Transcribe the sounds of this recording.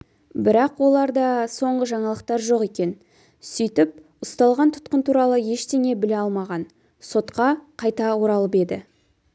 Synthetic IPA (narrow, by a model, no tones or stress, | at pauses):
bɪɾɑqwo̞lˠɑɾd̪ɑso̞ɴʁəʒɑɴɑlˠəq̚t̪ɑɾʒo̞qe̞kʲe̞n | sʏjt̪ɪp̚ | ʊst̪ɑlˠʁɑnt̪ʰʊ̥t̪̚qənt̪ʰuɾɑlˠəje̞ʃt̪eŋe̞bɪleɑlˠmɑʁɑn | so̞t̪qɑqʰɑjt̪ɑwoɾɑlˠəpe̞d̪ɪ